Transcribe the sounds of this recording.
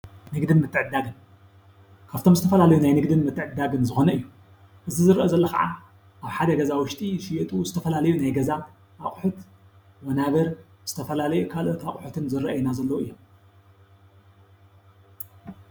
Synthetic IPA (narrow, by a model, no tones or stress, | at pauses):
nɨɡd̪ɨnmɨt̪ːɨʕɨd̪ːaɡɨn | kʰaβt̪ʰo̞mzɨt̪ʰɐfɐlalɐjunajnɨɡd̪ɨnmɨt̪ʰːɨʕɨd̪aɡɨnzɨxo̞nɐʔɨjːu | ʔɨzizɨɾʔozɐlːɐxɐ̰ʕa̰ | ʔaβħad̪ɐɡɐzawʊʃt̪ʼiʃɪjɛt̪ʼuzɨt̪ʰɐfɐlalɐjunajɡɐza | ʔaχʼħut̪ | wɐnaβɐɾz̥ɨt̪ʰɐfɐlalɐjukʰalʔot̪aχʼħut̪ʰɨnzɨɾɐʔɐjinazɐlːɐwuɨjːom